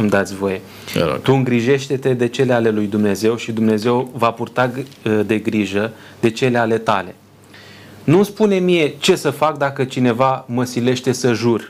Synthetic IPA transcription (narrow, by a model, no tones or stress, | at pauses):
ɨmd̪at̪sʲvo̞je̞̰ | t̪uɨŋɡɾiʒe̞ʃt̪e̞t̪e̞d̪e̞t͡ʃe̞le̞ale̞lujd̪umne̞ze̞wʃid̪umne̞ze̞wvapurt̪ad̪e̞ɡɾiʒə | d̪e̞t͡ʃe̞leale̞t̪a̰le̞ | nuspune̞mije̞t͡ʃe̞səfak̚d̪akət͡ʃine̞vaməsile̞ʃt̪e̞səʒur